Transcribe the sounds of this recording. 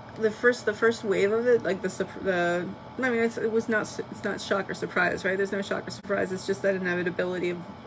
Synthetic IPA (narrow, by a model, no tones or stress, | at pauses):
ðɨfɜ˞stðɨfɜ˞st̚weɪvʌvɪt̚ˡlaɪk̚ðɨsəpʰðɨ | aɪmĩnɨtsɪt̚wʌznətsɨtsnətʃɑkə˞sə˞pʰɹ̥aɪzɹaɪt̚ðə˞znoʊʃɑ̰kə˞sə˞pʰɹ̥aɪzɨtsd̥ʒ̥ʌst̪̚ðɨɾɨ̃nɛvɨɾɨbɪlˠɨɾiʌv